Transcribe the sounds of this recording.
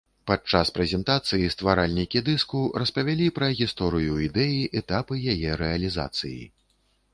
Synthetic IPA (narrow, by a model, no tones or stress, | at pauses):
pat͡ʂaspɾɛzʲɛnt̪at̪sɨjist̪vaɾalʲnʲikʲid̪ɨskuɾɐspɐvʲalʲipɾɐɣʲist̪ɔɾɨjuid̪ɛjiʔɛt̪apɨjajɛɾɛɐlʲiza̰t̪sɨjḭ